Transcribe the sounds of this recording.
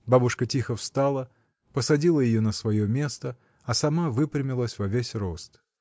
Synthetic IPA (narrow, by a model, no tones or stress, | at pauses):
babʊʂkətʲixəfst̪alˠə | pəsɐdʲilˠəjɪjonəsvɐjomʲe̞st̪ə | ɐsɐmavɨpɾʲɪmʲɪlˠəsʲvɐvʲesʲro̞st̪